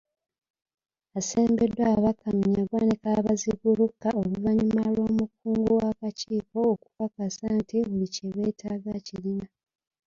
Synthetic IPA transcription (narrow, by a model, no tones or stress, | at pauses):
ase̞ːmbe̞dːwaβakːamiɲaɡwaːnikaβaziɡulukːaoluvaɲimalwo̞ːmukːuːŋɡowakaciːko̞ːku̥kakasaːntiβuliceβe̞ːtʰaːɡacilina